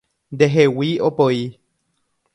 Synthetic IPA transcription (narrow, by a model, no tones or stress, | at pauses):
nd̪eɦewiopoi